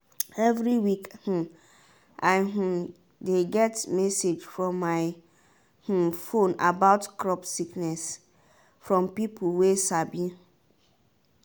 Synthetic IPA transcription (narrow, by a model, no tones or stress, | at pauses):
ɛvɹiwikhũ | ʔaɪɦũ | deɡɛtmɛsed͡ʒfɹɔ̃mːaɪ | hũfõnabaʊtkɹɔpsiknɛs | fɹɔ̃mpipuwesabĩ